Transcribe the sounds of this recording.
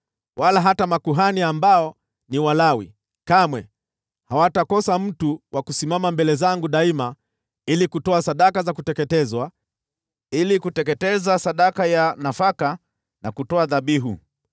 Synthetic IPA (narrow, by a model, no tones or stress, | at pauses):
wʔalaɦatamakuɦaniambaɔ | niwalawḭ | kamwɛ | hawatakɔsam̩tuwʔakusimamambɛlɛzaŋɡuɗaima | ilikutɔasaɗakazakutɛkɛtɛzwa | ilikutɛkɛtɛzasaɗakajanafaka | nakutɔaðaɓiɦṵ